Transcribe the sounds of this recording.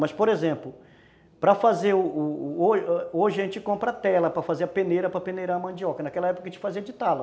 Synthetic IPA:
mɐspoɾezẽmplʊ | pɾɐfazeɾʊʊooʒɪẽnt͡ʃɪkõmpɾɐat̪ɛlɐpɾɐfazeɾɐpẽneɾɐpɾɐpẽneɾaɐmɐ̃d͡ʒiɔkɐnakɛlɐɛpokɐʒẽt͡ʃɪ̥faziɐd͡ʒɪt̪alɐ

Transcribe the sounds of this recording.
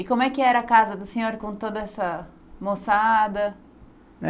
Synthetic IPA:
ɪkõmʊɛkɪɛɾɐːkazɐd̪ʊsẽɲoɾkõt̪od̪ɐɛsɐ | mosad̪ɐ

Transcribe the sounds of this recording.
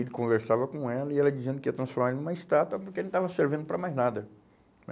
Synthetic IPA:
id̪ɪkõveɾsavɐkõɛlɐiɛlɐd͡ʒizẽd̪ʊkiɐt̪ɾɐ̃sfoɾmaɛliñmɐist̪at̪wɐpoɾkelẽt̪avɐseɾvẽd̪ʊpɾɐmajznad̪ɐ

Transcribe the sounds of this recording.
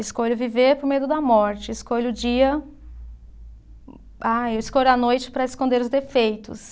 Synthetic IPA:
ɪskoʎʊviveɾpoɾmejd̪ʊd̪ɐmɔɾt͡ʃɪːskoʎʊd͡ʒiɐ | aewɪskoʎɐnojt͡ʃɪ̥pɾɐɪskõd̪eɾʊzd̪efejt̪ʊ̰s

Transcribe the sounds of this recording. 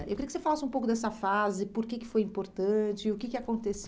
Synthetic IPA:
ḛwkɾiɐkɪsefalasɪũpowkʊd̪ɛs̬ɐfazɪpoɾkɪkɪ̥fojĩmpoɾt̪ɐ̃t͡ʃɪɪʊkɪkɪakõnt̪es

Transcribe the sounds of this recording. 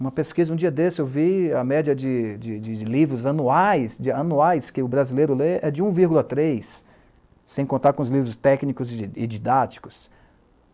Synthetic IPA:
ũmɐpeskizɐũd͡ʒiɐd̪esɪewviɐmɛd͡ʒiɐd͡ʒɪd͡ʒɪd͡ʒɪlivɾʊzɐnuajsd͡ʒɪɐnuajskɪʊbɾazilejɾʊleʔɛd͡ʒɪũviɾɡulɐt̪ɾejsː | ẽj̃kõnt̪aɾkõʊzlivɾʊst̪ɛknikʊzɪ̰d͡ʒid̪at͡ʃi̥kʊ̥s

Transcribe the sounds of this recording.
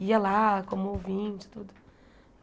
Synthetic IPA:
iɐlakõmʊowvĩt͡ʃɪ̥t̪ud̪ʊ

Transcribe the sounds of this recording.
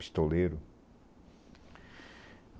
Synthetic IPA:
i̥st̪oleɾʊ

